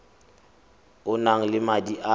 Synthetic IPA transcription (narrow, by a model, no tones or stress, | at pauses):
ʊnaŋ̩lɪmadiʔa